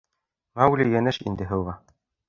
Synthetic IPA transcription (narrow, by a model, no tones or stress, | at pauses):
ʁɑwlʲijænɘʃḭnd̪ɘ̆ɦɤ̆lʁɑ